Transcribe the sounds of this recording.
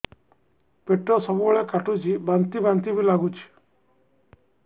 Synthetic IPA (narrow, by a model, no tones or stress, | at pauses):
peʈɾɔsɔbubɔɭɛkaʈut͡ʃʰibant̪ibant̪ibʱilaɡut͡ʃʰi̥